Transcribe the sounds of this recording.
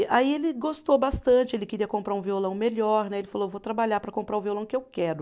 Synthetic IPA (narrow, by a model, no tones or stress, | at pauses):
ʔaielɪɡost̪owbast̪ɐ̃t͡ʃɪelɪkeɾiɐkõmpɾaɾũviolɐ̃w̃meʎɔɾnɛelɪfaloevot̪ɾabaʎaɾpɾɐkõpɾaɾʊ̃violɐ̃w̃kɪewkɛɾʊ